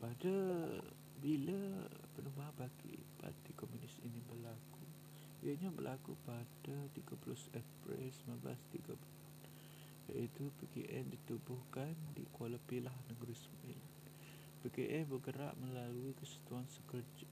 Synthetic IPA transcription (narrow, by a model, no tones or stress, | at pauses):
padə | biləpənumbaanbaɡḭpa̰rt̪ikomunɪsinibəlaku | jəɲabə̰lʔakupadət̪iɡaplʊsɛfpɾɛ̰lsəmabla̰st̪iɡapulʊ | ja̰ʔit̪upekḛʔɛndit̪ubʊhkandḭkoləpilahnəɡɾismaʔilan | pekeʔɛhbəɡəɾa̰ʔmə̃laluikəsi̥t̪uansəkərd͡ʒa